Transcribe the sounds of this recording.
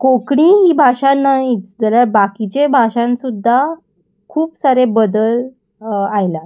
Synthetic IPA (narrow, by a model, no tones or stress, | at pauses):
kokɽiɦiːbʱaɕanait͡sd͡zəljaɾbakit͡ɕebʱaɕãnsud̪ʱːa | kʰuːpsaɾebəd̪əl | ajla